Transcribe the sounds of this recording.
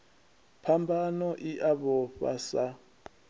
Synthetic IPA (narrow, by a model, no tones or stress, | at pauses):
pʰambʱanɔʔiʔaβɔɸa̰sa